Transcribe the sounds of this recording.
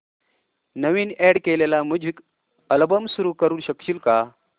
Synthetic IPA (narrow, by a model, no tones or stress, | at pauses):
nəʋiːnɛɽkelelaməd͡ʑʱiːk | əlbəmsuɾuːkəɾuːnɕəkɕiːlka